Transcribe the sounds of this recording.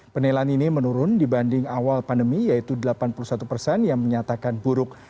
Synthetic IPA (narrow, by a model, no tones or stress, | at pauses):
pənelaninimənuɾʊndibandɪŋawalpandəmijait̪udəlapanpulusat̪upərsɛnjaŋməɲat̪akanbuɾʊk̚